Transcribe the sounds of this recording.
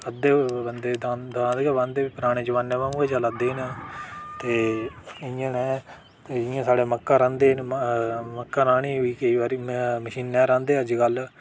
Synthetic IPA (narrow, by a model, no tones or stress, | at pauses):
əd̪eːbənd̪eːd̪ad̪ad̪eɡɛbãːnd̪eːʋiːpɾaːɽ̃eːd͡ʒəʋãːnːẽːʋaːũːɡeːd͡ʒalad̪eːn | t̪eːɪjãːnɛː | t̪ːɪjãːsaːɽeːməkːãːɾãːnd̪eːn | məkːãːɾaːɳ̃iːʋiːkəiːʋaːɾiːməʃiːnːɛ̃ːɾãːnd̪eːəd͡ʒɡəl